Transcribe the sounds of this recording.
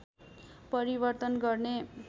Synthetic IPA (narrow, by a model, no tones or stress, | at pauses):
pʌɾibʌrt̪ʌnɡʌrne